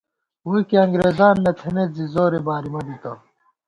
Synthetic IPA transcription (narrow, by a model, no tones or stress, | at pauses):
uikiɐŋɡɾeːzaːnːɐt̪ʰenezizoːɾebaːɾimɐd̪it̪ɐ